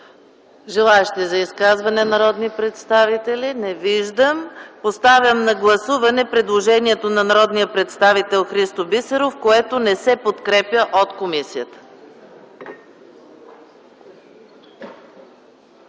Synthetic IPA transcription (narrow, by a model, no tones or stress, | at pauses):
ʒɛlˠaɛʃt̪izɐiskazvɐnɛnɐɾɔd̪nipɾɛt̪st̪avit̪ɛlinɛviʒd̪əmpost̪avʲjəmnɐɡlˠɐsuvɐnɛpɾɛd̪lˠoʒɛniɛt̪onɐnɐɾɔd̪nijəpɾɛt̪st̪avit̪ɛlˠxɾist̪obisɛɾofkoɛt̪onɛsɛpot̪kɾɛpjəʔot̪komisijət̪ə̥